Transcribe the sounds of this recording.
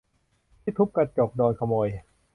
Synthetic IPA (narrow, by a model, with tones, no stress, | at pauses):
t̪ʰiː˥˩t̪ʰu˦˥p̚ka˧t͡ɕo˨˩k̚dɔː˧nkʰa˧mɔː˧j